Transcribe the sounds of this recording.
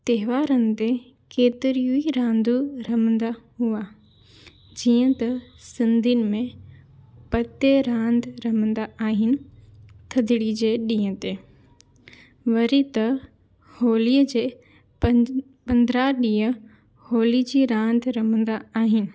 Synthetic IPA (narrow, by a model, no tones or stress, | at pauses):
t̪ɐɦɪʋaːɾənɪ̆t̪e | keːt̪ɪɾijuiɾãːnd̪uɾɐmə̃nd̪aɦua | d͡ʑiːə̃t̪ɐ | sɪ̃nd̪ʱinɪ̆mẽ | pɐt̪eɾãːnd̪ʱɾɐmə̃nd̪aaːɦɪnɪ̆t̪ʰɐd̪ʱɪɽid͡ʑeːɗĩːə̃t̪eː | ʋɐɾit̪ɐ | hoːliːəd͡ʑeː | pɐ̃nd̪ɾaɗĩːə | hoːlid͡ʑiːɾãːnd̪ʱɾɐm̤ə̃nd̪aaːɦɪnɪ̆